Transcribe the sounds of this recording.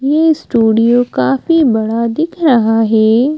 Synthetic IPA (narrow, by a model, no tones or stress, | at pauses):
jeːsʈuːɖijokaːfibɐɽad̪ɪkʰɾɐɦaɦɛː